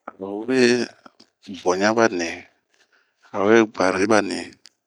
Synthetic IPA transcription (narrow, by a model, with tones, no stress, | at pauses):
a˨˦be˦ | bɔ˨ɲã˦ba˦nɛ̃˨ | a˨˦e˦ɡ͡ba˨ɾe˨˦ba˦nɛ̃˨